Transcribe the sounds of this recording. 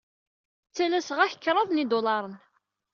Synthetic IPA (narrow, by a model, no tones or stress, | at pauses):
t͡sːænæsʁæçə̥kːɾˤɑðˤnid̪ʊlɑɾˤən